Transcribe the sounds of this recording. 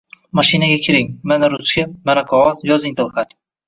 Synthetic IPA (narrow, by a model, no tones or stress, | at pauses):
maʃɪnaɡʲakʲʰɪɾɪŋmanaɾʊt͡ʃkʲamanaqʰɒʁɒzjɒzɪŋt̪ɨlˠχad̪